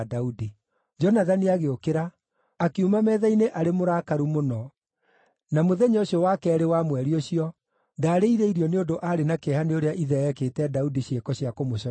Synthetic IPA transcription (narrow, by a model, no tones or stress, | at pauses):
daudi | d͡ʒɔnaðaniaɣeokeɾaː | kiumamɛðaineʔaɾemoɾakaɾumonɔ | namoðɛɲɔoɕiɔwakɛːɾewamwɛɾioɕiɔ | daːɾeiɾeiɾiɔneondoʔaɾenakɛhaneoɾeaʔiðɛɛkeːtɛdaudiɕekɔɕiakomoɕɔ